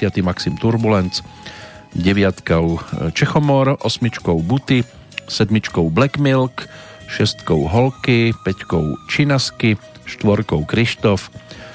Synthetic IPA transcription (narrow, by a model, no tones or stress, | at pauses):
ɪat̪imaksimt̪uɾbulɛnt͡s | ɟɛʋɪat̪kaʊt͡ʃɛxɔmɔɾɔsmit͡ʃkɔʊbut̪i | sɛd̪mit͡ʃkɔʊblɛkmilk | ʃɛst̪kɔʊɦɔlkipɛckɔʊt͡ʃinaski | ʃt̪ʋɔɾkɔʊkɾiʃt̪ɔf